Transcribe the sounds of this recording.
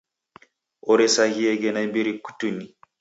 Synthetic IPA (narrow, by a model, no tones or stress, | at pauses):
ʔɔɾɛsahiɛɡɛnabiɾiku̥tuni